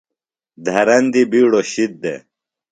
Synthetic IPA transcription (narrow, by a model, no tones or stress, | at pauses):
d̪ʱɐɾɐnd̪ibiːɽoɕit̪̚d̪ḛ